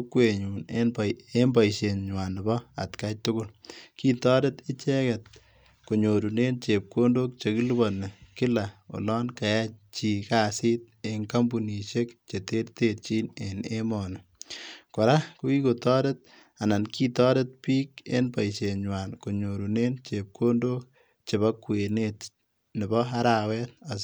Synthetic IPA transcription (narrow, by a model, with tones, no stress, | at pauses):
kwe˨ɲuː˨nene˦mba˨jʃe˨ɲɲwa˨n˨bɔ˦a̰˨tkatʊɡʊ˦lki˦tɔ˦detɪ˦t͡ʃɛ˦kɛt̚ | ko˨ɲo˨ɾu˨neː˦nt͡ʃe˨p̚ko˦ndo˦k̚t͡ʃe˨ki˦lu˦bɔ˨ne˨kɪ˦la˨o̰˨lɔː˦nka˨ja˦t͡ʃi˨ka˦siː˦t̚e˨ŋka˦mbu˨ni˨ʃe˦kt͡ʃe˨te˦ɾte˦t̚t͡ʃi˦ne˨ne˦mɔnɔ˨kɔ˨ɾa˦ku˦i˦ko˨tɔː˦det̚ | a˨na˨nki˦tɔː˦de˦t̚piː˦kḛ˦npa˨it͡ʃe˨ɲwaː˨nko˨ɲo˨ɾu˨neː˦nt͡ʃe˨p̚kʰo˦ndo˦k̚ | t͡ʃe˨ba˦kːwe˨neːt | nɪ˨bɔ˦a˦ɾawɛ˦t̚a˨